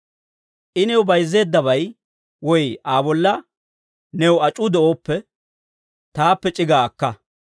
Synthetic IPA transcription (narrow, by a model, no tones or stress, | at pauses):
ʔɪnɛwʊbɐjzːe̞ːd̪ːɐbɐj | wɔjʔaːbɔlːɐ | nɛwɐt͡ʃʼʊd̪ɛʔoːpːɛ | t̪aːpːɛt͡ʃʼɪɡaːɐkːɐ